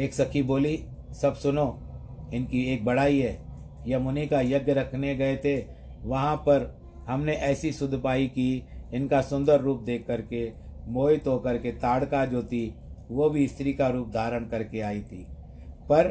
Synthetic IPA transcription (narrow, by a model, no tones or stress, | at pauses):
eːksɐkʰiboːli | sɐbsʊno | ɪnkieːk̚bɐɽaːiɦɛː | jɐmʊnikajɐɡjəɾɐkʰneɡɐet̪ʰe | ʋɐɦãpɐɾ | hɐmneʔɛːsisʊd̪ʱpaːikiɪnkasʊ̃nd̪əɾːuːp̚d̪eːkʰːəɾkemoːjt̪oːkɐɾket̪aːɽkad͡ʒoːt̪ʰiʋobʱiɪst̪ɾikaɾuːp̚d̪ʱaːɾəɽkɐɾkeaːit̪ʰiː | pɐɾ